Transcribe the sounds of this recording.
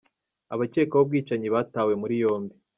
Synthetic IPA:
aβace̞ːkowob̚ɡiːt͡ʃaɲiβaːtaːwe̞muɾijo̞ːmbi

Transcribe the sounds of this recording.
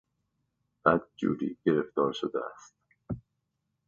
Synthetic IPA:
ð̥æt̪̚d͡ʒṵːɾḭɟ̥eɾeft̪ɒːɾʃod̪ɛæ̰st̪̚

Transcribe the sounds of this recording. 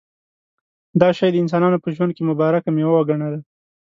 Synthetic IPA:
d̪ɑʃɑjd̪əɪns̬ɑnɑnopəʒwand̪̚kemʊbɑɾakamewawaɡaɳad̪a

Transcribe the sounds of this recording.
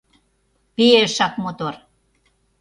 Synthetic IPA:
pieʃɑkmot̪or

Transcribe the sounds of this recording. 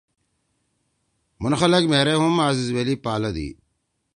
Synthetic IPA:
mʊnxɐlɐkmeɾeɦumaːzizwelipaːlɐd̪ḭː

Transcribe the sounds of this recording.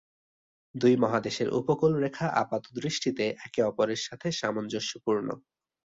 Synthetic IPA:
d̪ujmɔɦad̪eʃeɾʔṵpokolɾekʰaʔa̰pat̪od̪ɾiʃʈit̪eʔɛkeɔpoɾeɾʃat̪ʰeʃamond͡ʑoʃopuɾno̰

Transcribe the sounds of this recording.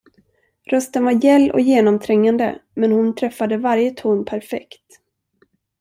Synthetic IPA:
ɾœst̪ənvaɾjɛlːʔɔ̰kjeːnɔmt̪ʰɾɛŋːand̪ə̰mɛnhʊnt̪ʰɾɛfːad̪əvaɾjət̪ʰuːnpʰæɾfɛ̰kt̪

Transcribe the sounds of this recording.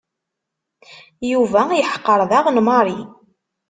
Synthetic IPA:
juvæjəħqːəɾˤðɑʁnmɑɾˤi

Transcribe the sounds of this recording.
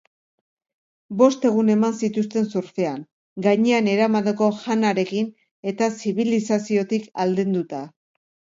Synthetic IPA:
bo̞st̪e̞ɣ̞une̞mansit̪us̬t̪e̞nsuɾfe̞aŋ | ɡajɲe̞ane̞ɾamaðeko̞ʝanaɾe̞kin | e̞t̪asiβilisasio̞t̪ikald̪end̪ut̪a

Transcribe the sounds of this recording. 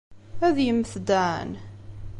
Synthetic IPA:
æðjəmːθd̪aʕə̰n

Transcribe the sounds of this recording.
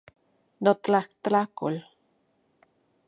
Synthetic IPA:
not̪lakt̪lakol

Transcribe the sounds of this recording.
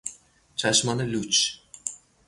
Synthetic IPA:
t͡ʃʰaʃmanɯlʲut͡ʃ

